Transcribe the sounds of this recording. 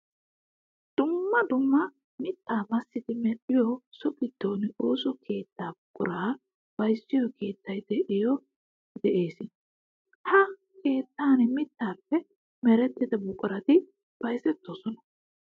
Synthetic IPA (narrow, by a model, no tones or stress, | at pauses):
d̪̥ʊmːɐd̪ʊmːɐ | mɪt̪ːaːmɐsːɪd̪ɪmɛlːɪjɔsɔkʼɪt̪ːoːnoːsɔkʰe̞ːt̪ːaːbʊkʼʊ̰ɾaː | b̥ɐjsːɪjɔke̞ːt̪ːɐjd̪ɛʔɪjɔ | d̪ɛʔe̞ːsɪ | hɐ | ke̞ːt̪ːaːnɛmɪt̪ːaːpːɛ | mɛɾɛt̪ːɪd̪ɐbʊkʼːʊɾɐt̪ɪ | b̥ɐjsɛt̪ːɔsɔnɐ